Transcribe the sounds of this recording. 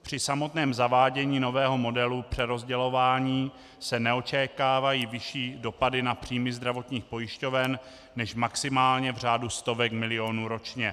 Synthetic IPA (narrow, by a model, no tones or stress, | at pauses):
pr̝̥ɪsamo̞t̪nɛːmzavaːɟɛɲiːno̞vɛːɦo̞mo̞dɛlupr̝̥ɛɾo̞zɟɛlo̞vaːɲiː | sɛnɛo̞t͡ʃɛkaːvajiːvɪʃiːdo̞padɪnapr̝̥iːmɪzd̪ɾavo̞t̪ɲiːxpo̞jɪʃco̞vɛnː | ɛʃmaksɪmaːlɲɛvr̝aːdust̪o̞vɛkmɪlɪo̞nuːɾo̞t͡ʃɲɛ